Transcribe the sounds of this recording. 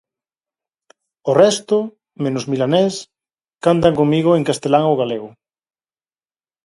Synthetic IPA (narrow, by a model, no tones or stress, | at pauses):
orɛst̪o | mẽnozmilanes | kant̪̬aŋkoŋmiɣoeŋkast̪elaŋoɣaleɣʊ